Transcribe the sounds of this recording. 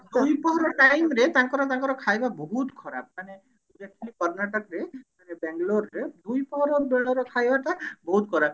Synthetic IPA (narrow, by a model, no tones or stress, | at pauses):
d̪uujpɔɦɔɾɔʈajmɾet̪aŋkɔɾɔt̪aŋkɔɾɔkʰajbabɔɦut̪kʰɔɾa̰b̚mane | ud͡ʒekʰilikɔɾnaʈɔkɾemanebɛŋɡloɾːed̪ujpɔɦɔɾɔbeɭɔɾɔkʰajbat̪abɔɦut̪kʰɔɾab